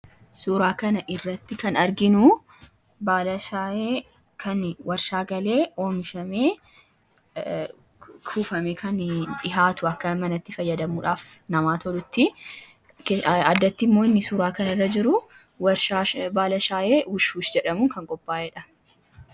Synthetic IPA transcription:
suːɾaːkɐnɐʔɪrːɐt̪ːɪkɐnɐɾɡɪnʊ | baːlɐʃaːeː | kʰɐnwɐɾʃaːɡɐle̞ːo̞ːmɪʃɐmeː | kʰuːfɐmeːkʰɐnᶑɪɦaːt̪ʊɐkːɐmɐnɐt̪ːɪfɐjːɐd̪ɐmuːᶑaːf | nɐmaːt̪ʰɔlʊt̪ːɪ | kːɐd̪ːɐt̪ːɪmːoːɪnːɪsuːɾaːkɐnɐɪrːɐd͡ʒɪɾʊ | wɐɾʃaːbaːlɐʃaːʔeːwʊʃuːʃd͡ʒɛᶑɐmʊŋkɐŋkʼɔpʼːaːɛːᶑɐ

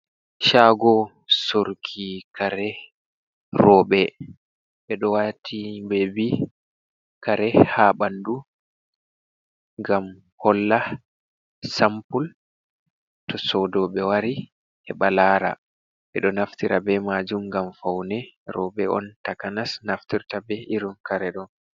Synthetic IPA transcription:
ʃaɡɔ | soɾkʰikaɾɛ | rɔːɓɛ | ɓɛɗɔwatʰibɛbi | kaɾɛhaɓandu | ŋɡam | hɔlːa | sampul | tɔsɔdɔɓɛwaɾi | ʔɛɓalaːɾa̰ | ɓɛ̰ɗɔnaftiɾabɛmad͡ʒumɡamfawnɛɾɔɓɛʔɔ̰ntakanasnaftiɾtabɛʔiɾunkaɾɛɗɔn

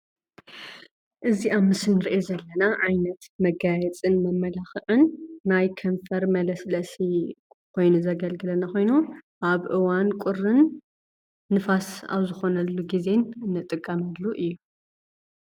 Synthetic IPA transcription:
ʔɨziamːɨsɨnɨɾiʔezɐlːɐnaʕajnɐt̪mɐɡajɛt͡sʼɨnmɐmːɐlaxɨʕɨnːajkʰɐɱfɐɾmɐlɐslɐsi | kʰo̞jnuzɐɡɐlɡɨlɐnaxo̞jnuʔaβʔɨwankʷʼʊrɨnː | ɨfasa̰βzɨxo̞nɐlːuɡize̞nɨnːɨt̪ʼɨkʼːamɐdlːuʔɨjːu

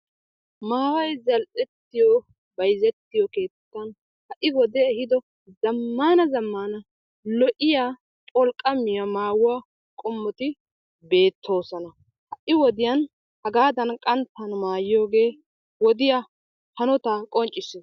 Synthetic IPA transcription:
maːwɐjzɐlʔɛt̪ːɪjɔ | bɐjzɛt̪ːɪjɔke̞ːt̪ːɐn | hɐʔɪwɔd̪ɛɛhɪd̪ɔ | zɐmːaːnɐzɐmːaːnɐ | lɔʔɪjaː | pʼɔlkʼːɐmːɪjɐmaːwʊwa | kʼʊmːɔt̪ɪ | be̞ːt̪ʰːo̞ːsɔnɐ | hɐʔɪwɔd̪ɪjɐn | hɐɡaːd̪ɐnkʼɐnt̪ːɐnmaːjɪjo̞ːɡe̞ː | wɔd̪ɪja | hɐnɔt̪akʼɔnt͡ʃʼːɪsɪ

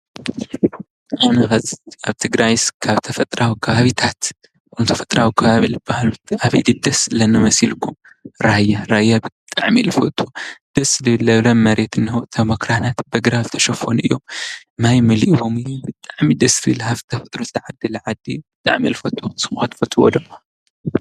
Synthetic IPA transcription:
ʔanɐxɐzaβt̪ʰɨɡɾajskʰaβt̪ʰɐfɐt̪ʼɾawikʰɐβaβit̪ʰat̪ | knut̪ʰɐfɐt̪ʼɾawikʰɐβaβilɨbːahalut̪aβḭd̪ɨd̪ɐslɐnɐmɐsilkʰum | ɾajːaɾajːabɨt̪ʼaʕmilɨfot̪ʰʼud̪̥ɐslɨlɐβlɐnmɐɾet̪ɨnːɐot̪ʰɐmɐkɾanat̪bɐɡɾazɨt̪ʰɐʃɐfonɨjːo̞m | majmɐliʔβomɨjbɨt̪ʼaʕmid̪ɐslɨlhaft̪ʰɐfɐt̪ʼɾozɨt̪ʰɐʕad̪ːilʕad̪ːib̥ɨt̪ʼa̰ʕmilɨfɐt̪ʼʰːusʼɨmxɐt̪fɐt̪ʰʼuwɔ̰lɐm

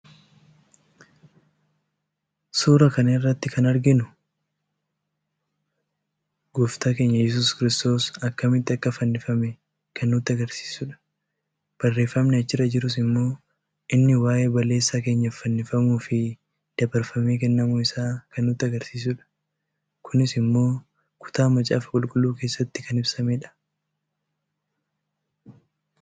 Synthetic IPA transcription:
suːɾɐkɐnɐɪrːɐt̪ːɪkʰɐnɐɾɡɪnʊ | ɡʊft̪aːke̞ːɲːɐjɛs̬uːskɪɾɪst̪o̞ːsɐkːɐmɪt̪ːɪɐkːɐfɐnːɪfɐmɛ | kɐnːʊːt̪ːɪɐɡɐɾsi̥ːsʊᶑɐ̥ | b̥ɐrːe̞ːfːɐmnɛɐt͡ʃːɪrɐd͡ʒɪɾʊs̬ɪmːo̞ː | ʔɪnːɪwaːʔe̞ːbɐlːe̞ːsːake̞ːɲːɐfɐnːɪfɐmuːfɪ | d̪̥ɐbɐɾfɐme̞ːk̬ɛnːɐmuɪsaːkɐnːuːt̪ːɪɐɡɐɾsiːsʊᶑɐ̥ | kʰʊnɪsɪmːo̞ː | kʰʊ̥t̪aːmɐt͡ʃʼa̰ːfɐkʼʊlkʼʊlːuːke̞ːsːɐt̪ːɪkɐnɪbsɐmeᶑɐ̥

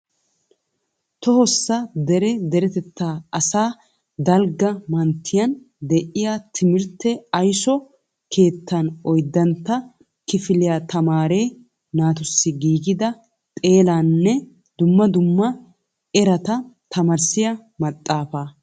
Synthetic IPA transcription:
t̪ɔhɔsːɐd̪ɛɾɛd̪ɛɾɛt̪ɛt̪ːaːɐsaː | d̪ɐlɡɐmɐnt̪ʰːɪjɐn | d̪ɛʔɪjat̪ʰɪmɪɾt̪ːɛɐjsɔ | kʰe̞ːt̪ʰːɐnɔjd̪ːɐnt̪ːɐ | kɪfɪlɪjaːt̪ɐmaːɾe̞ː | naːt̪ʊsːɪɡiːɡɪd̪ɐ | t̪ʼe̞ːlaːnːɛ | d̪̥ʊmːɐd̪ʊmːɐ | ɛɾɐt̪ɐt̪ʰɐmɐɾsɪjɐmɐt̪ʼːaːfaː

